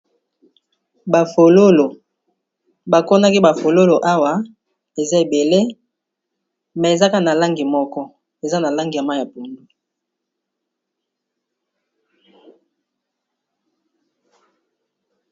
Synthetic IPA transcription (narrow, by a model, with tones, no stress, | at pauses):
ba˨fo˨lo˦lo˨ | ba˨ko˦na˦ki˦ba˨fo˨lo˦lo˨ʔa˦wa˨ | e˨za˦e˨be˨le˦ | mɛ˨e˨za˦ka˦˨na˨la˦ŋɡi˨mɔ˦kɔ˦ | e˨za˦na˨la˦ŋɡa˨ma˦ja˨po˨ndu˦